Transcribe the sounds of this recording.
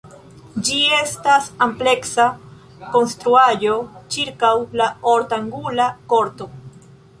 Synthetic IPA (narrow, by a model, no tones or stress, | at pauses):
d͡ʒie̞stasample̞ksa | ko̞nstɾuajo̞t͡ʃiɾkawlaoɾtaŋɡulako̞ɾto̞